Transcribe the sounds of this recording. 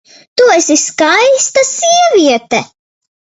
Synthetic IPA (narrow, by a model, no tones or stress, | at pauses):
t̪uɛsiskajst̪asʲiɛvʲiɛt̪ɛ